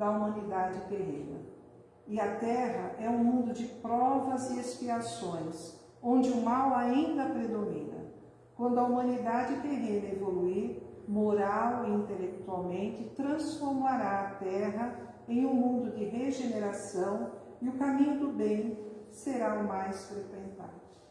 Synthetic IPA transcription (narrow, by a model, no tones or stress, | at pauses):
d̪ɐumɐ̃nid̪ad͡ʒɪteɾḛ̃nɐ̰ | ɪɐt̪ɛɦɐʔɛũmũnd̪ʊd͡ʒɪpɾɔvɐzɪespiasõj̃s | õd͡ʒɪʊmawaĩnd̪ɐpɾed̪omĩnɐ̰ | kwɐ̃nd̪ʊɐumɐ̃nid̪ad͡ʒɪfeɾẽnɐevoluiɾmoɾawiĩnt̪elek̚t̪uawmẽnt͡ʃɪt̪ɾɐ̃sfoɾmaɾaːt̪ɛɦɐ | ẽj̃ũmũnd̪ʊd͡ʒɪɦeʒeneɾasɐ̃w̃ | ɪʊkamĩɲʊd̪ʊbẽj̃seɾaʊmajsfɾekwẽnt̪a̰d̪ʊ